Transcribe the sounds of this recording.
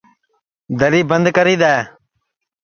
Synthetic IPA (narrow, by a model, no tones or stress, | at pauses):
d̪əɾiːbənd̪kəɾiːd̪aːeː